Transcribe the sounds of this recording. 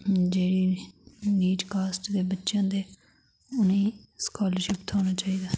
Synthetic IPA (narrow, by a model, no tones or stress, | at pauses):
d͡ʒeːɽiːniːd͡ʒkaːsʈd̪eːbətːʃjãːd̪eː | ʊneĩːskaːləɾʃɪpt̪ʰoːñaːt͡ʃaːiːd̪aː